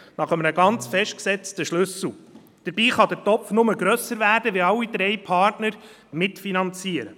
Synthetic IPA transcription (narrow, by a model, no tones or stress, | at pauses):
nɑχəməəɡɑnt͡sfɛʃt̚ksɛt͡stəʃlʉsl̩ˠ | d̥əɾbiːχɑd̪əɾtɔpfnʊməɡɾœsəɾvæːɾdəʋiɑlːid̥̪ɾɛjpʰɑːrtnəɾ | mɪtfinɑnt͡siəɾə